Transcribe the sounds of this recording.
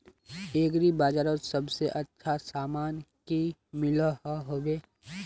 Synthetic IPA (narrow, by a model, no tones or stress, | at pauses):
eːɡɾibaːd͡ʒaːɾosɐbseʔɐtːʃʰasaːmaːnkimɪlaɦɦoːɡeː